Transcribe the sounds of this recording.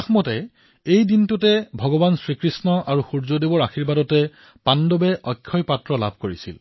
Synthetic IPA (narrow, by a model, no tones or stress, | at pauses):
axmɔtɛ | ejdintutɛbʱɔɡɔbansɹikɹisnɔʔaɹuxuɹzodebɔɹaxiɹbadɔtɛ | pandɔbɛʔɔjkʰːɔjpatɹɔla̰bʱkoɹisḭl